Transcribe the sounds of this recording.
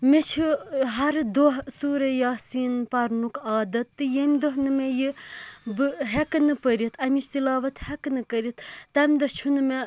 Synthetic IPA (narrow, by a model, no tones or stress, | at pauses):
met͡ʃʰiɦɐɾd̪oɦsuːɾejaːsiːnpɐɾnukaːd̪ɐt̪ːɨjemʲd̪oɦnɨmejɨbɨɦeknɨpəɾit̪ʰɐmit͡ʃ̪ilaːʋɐt̪hɐknɨkəɾit̪ːɐmd̪ɐt͡ʃʰunɨme